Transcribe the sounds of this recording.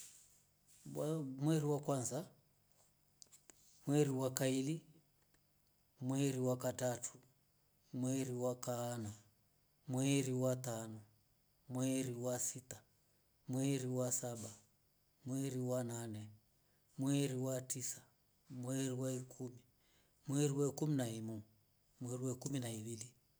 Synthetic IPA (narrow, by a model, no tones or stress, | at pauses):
amwɛɾiwakwanza | mwɛɾiwakaili | mwɛɾiwakatatʰu̥ | mwɛɾiwakaːna | mwɛɾiwatanɔ | mwɛɾiwasitḁ | mwɛɾiwasaɓa | mwɛɾiwananɛ | mwɛɾiwatisḁ | mwɛɾiwaikʰumi | mwɛɾiwɛkuminaimu | mwɛɾiwɛkuminaiwili